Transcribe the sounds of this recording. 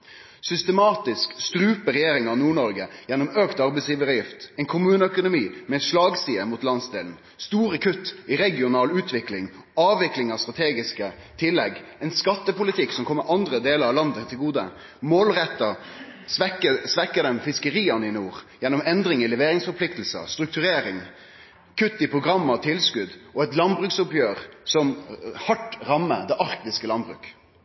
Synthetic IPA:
sʏst̪əmɑːt̪ɪskst̪ɾʉːpəɾɛjeːɾɪŋɑnuːɳɔɾɡəjɛnːɔmøːkt̪ɑɾbɛɪsjiːʋəʁjɪft̪ɛɪnkʰʊmʉːnəœkʊnʊmiːmɛʂlɑːɡsiːəmʊt̪lɑnsd̪ḛːln̩ | st̪uːɾəkʰʉt̪ːɪɾɛɡɪʊnɑːlʉːt̪ʰʋɪklɪŋ | ɑːʋɪklɪŋɑst̪ʁɑt̪ʰeːɡɪskə | t̪ʰɪlːɛɡɛɪnskɑt̪ːəpʊlɪt̪ʰɪksɔmkʰɔmːəɾɑnd̪ɾəd̪eːləɾɑlɑnd̪ət̪ʰɪlɡuːd̪ə̰ | moːlʁɛt̪ːəsʋɛkəsʋɛkːəd̪ɛmfɪskəɾiːənɪnuːʁjɛnːɔmɛnd̪ɾɪŋɪlɛʋeːɾɪŋsfɔɾpʰlɪkt̪l̩sə̰st̪ɾʉk̚t̪ʉɾeːɾɪŋ | kʰʉt̪ːɪpʰʁʊɡʁɑmːɑt̪ʰɪlskʉd̪ʔɔɛt̪lɑnbʁʉksʊpjøːʁsɔmhɑʈɾɑmːə̰d̪ɛʔɑɾkt̪ɪskəlɑnbʁʉ̰ːk

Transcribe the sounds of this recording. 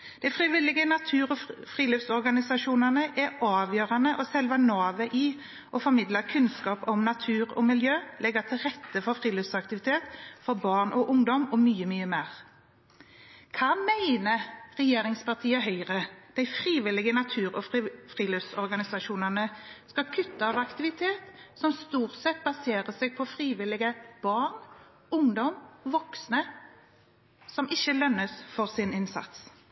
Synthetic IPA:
d̪̥æɪfʁɪʋɪlːɪɡənɑt̪ʰʉːʁɔfʁiːløfsɔɾɡɑnɪsɑʃuːnɑnəʔɛɑːʋjøːʁɑnəʔɔsɛlʋɑnoːʋəʔi | ʔɔfɔʁmɪd̪ləkʰʉnskɑːpɔmnɑt̪ʰʉːɾɔ̰mɪljøːlʔɛɡət̪ʰɪlʁɛt̪ːəfɔɾfʁiːləfsɑkt̪ɪʋɪt̪ʰeːt̪fɔɾbɑʁnʔɔʔʊŋd̪ɔmɔmyːəmyːəmeːʁ | kʰɑmæɪnəʁɛjeːʁɪŋspɑʁt̪ʰiːəɦœʏʁəd̪̥æɪfʁiːʋɪlɪɡənɑt̪ʰʉːʁɔfʁiːlʉsɔɾɡɑnɪsɑʃuːnənəskɑkʰʉt̪ːəɑʋɑkt̪ɪʋɪt̪ʰeːt̪sɔmst̪uːʁt̪sɛt̪̚bɑseːʁəseːɡ̚pʰɔfʁiːʋɪlɪɡəb̥ɑːn | ʊŋd̪ɔmʋɔksnə | sɔmʔɪçːəlœnːəsfɔʁsɪnɪnsɑ̰t̪s

